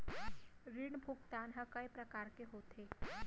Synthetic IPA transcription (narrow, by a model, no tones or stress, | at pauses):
ɾiɳbʱukt̪anɦəkəjpɾəkaɾkeɦot̪ʰe